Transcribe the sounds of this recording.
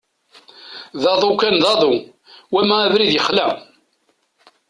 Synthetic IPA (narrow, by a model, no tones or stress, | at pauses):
ðɑðˤokænðɑðˤu | wæmæævɾiðjəχlæ